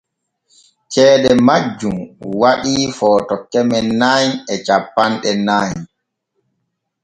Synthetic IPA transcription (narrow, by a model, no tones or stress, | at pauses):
kʰɛːɗɛmad͡ʒːumwaɗifɔːtɔkːɛmɛnːaɲɛt͡ʃapːanɗɛnaɲ